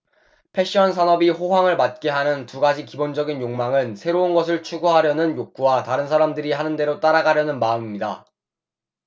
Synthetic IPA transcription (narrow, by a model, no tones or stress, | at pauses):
pʰe̞ɕ͈iʌns̬ʰanʌbiɸoɦwaŋɯɭmat̚k͈e̞ɦanɯntuɡad͡ʑikibond͡ʑʌɡinjoŋmaŋɯnsʰe̞ɾounɡʌs̬ʰɯɭt͡ɕʰuɡuɦaɾjʌnɯnjok̚k͈uwataɾɯnsʰaɾamdɯɾiɦanɯnde̞ɾot͈aɾaɡaɾjʌnɯnmaɯmimɲida̰